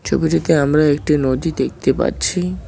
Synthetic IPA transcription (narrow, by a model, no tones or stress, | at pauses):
t͡ɕʰo̰biʈit̪eamɾaekʈinod͡ʒ̪id̪ek̚ʰt̪epa̰ɾt͡ɕʰi